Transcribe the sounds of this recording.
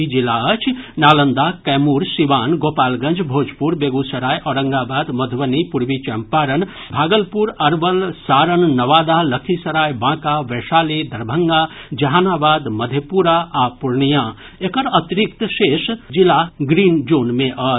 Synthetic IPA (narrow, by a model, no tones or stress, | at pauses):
id͡ʒilaət͡ʃʰnaːlənd̪akɛːmuːɾsiʋaːnɡoːpaːlɡə̃nd͡ʒʱbʱoːd͡ʒpuɾbeɡusɐɾaːjʔɔːɾɐ̃ŋɡabaːd̪mɐd̪ʱʋənipuɾʋit͡ʃɐmpaːɾən | bʱaːɡəlpuɾɐɾʋəlsaːɾənnɐʋaːd̪alɐkʰisɐɾaːjbãːkaʋɛʃaːled̪ʱɐɾbʱəŋɡad͡ʒɐɦaːnaːbaːd̪mɐd̪ʱjepuɾaapuɾnijã | ekəɾət̪ɾikt̪ʃeːʃd͡ʒilaɡɾiːnd͡ʒoːnmẽʔə